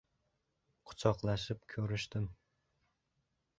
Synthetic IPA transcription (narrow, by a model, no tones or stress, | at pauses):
qʰʊ̥t͡ʃʰɑqlˠɑʃɪpkʲʰøɾyʃt̪ɪm